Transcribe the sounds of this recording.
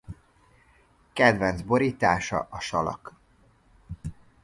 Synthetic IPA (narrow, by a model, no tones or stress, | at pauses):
kɛd̪vɛnzbo̞ɾiːt̪aːʃɒ̰ʔɒʃɒlɒ̰k